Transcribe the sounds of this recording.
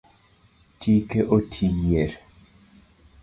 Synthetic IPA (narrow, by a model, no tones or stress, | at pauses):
tikeʔotʰijeɾ